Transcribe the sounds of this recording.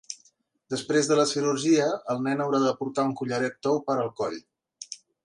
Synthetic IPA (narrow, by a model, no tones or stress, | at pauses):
d̪əspɾezðələsiɾurʒiəəlˠnɛnəwɾaðəpuɾt̪auŋkuʎəɾɛt̪̚t̪ɔwpəɾəlˠkɔʎ